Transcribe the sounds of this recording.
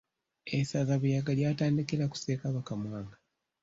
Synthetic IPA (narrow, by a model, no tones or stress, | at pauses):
esazaβujaɡaljaːtaːndikelaku̥seːkaβakamwaːŋɡa